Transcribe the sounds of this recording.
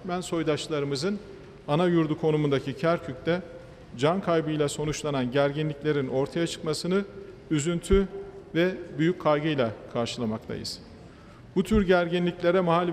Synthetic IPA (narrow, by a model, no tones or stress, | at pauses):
mænso̞jd̪at͡ʃlˠaɾɯmɯzɯn | anajuɾd̪ukʰo̞numund̪acʰicʰæɾcʰyc̚t̪ɛ | d͡ʒankʰajbɯjlʲˠaso̞nut͡ʃlˠananɟæɾɟinlʲiclʲe̞ɾino̞ɾt̪ʰajat͡ʃʰɯ̥kmasɯnɯ | yzynt̪ʰyvɛbyjycʰːaɾɡɯjlʲˠakʰaɾʃɯlˠamakt̪ʰa̰jɯ̰z̥ | but̪ʰyɾɟæɾɟinlʲiclʲe̞ɾɛmaɦalʲ